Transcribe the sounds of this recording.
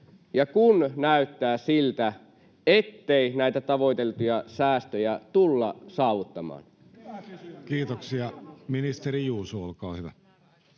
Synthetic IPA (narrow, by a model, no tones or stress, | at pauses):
jɑkunnæyt̪ːæːsilt̪æ | et̪ːeinæit̪æt̪ɑʋo̞it̪elt̪ujɑsæːst̪øjæt̪ulːɑ̰sɑːʋut̪ːɑmɑ̰ːn | kiːt̪oksiɑminist̪eɾijuːsuolkɑːhyʋæ̰